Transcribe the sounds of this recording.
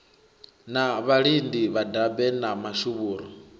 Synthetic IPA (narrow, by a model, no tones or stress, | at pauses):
naβaɺindiβadabɛnamaʃuβuːɾɔ